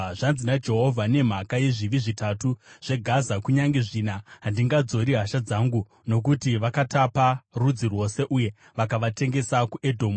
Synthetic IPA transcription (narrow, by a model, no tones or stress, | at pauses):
ʐanzinad͡ʒe̞ɦovʱane̞m̤akaje̞ʐiʋiʐitatuʐ̥e̞ɡʱazakuɲaŋɡe̞ʐinaɦandiŋɡad͡zo̞ɾiɦaʃad͡zaŋɡu | no̞k̬utiʋakataparud͡zirwo̞se̞ʔuje̞ | ʋakaʋate̞ŋɡe̞sakuʔe̞dʱo̞ːmu